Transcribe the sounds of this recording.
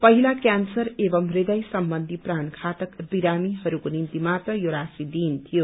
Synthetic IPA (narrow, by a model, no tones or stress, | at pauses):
pʌɦilakjansʌɾebʌmrid̪ʌjsʌmbʌnd̪ʱiprankʰat̪ʌkbiɾamiɦʌɾukonint̪imat̪ʌjoɾasid̪iːnt̪ʰijo